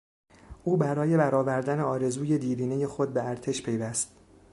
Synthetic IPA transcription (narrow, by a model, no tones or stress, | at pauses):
ʔuːbæɾɒːje̞bæɾɒːvæɾd̪æneɒːɾe̞zuːje̞d̪iːɾiːneje̞xod̪̚beæɾt̪ʰe̞ʃpʰe̞jvæst̪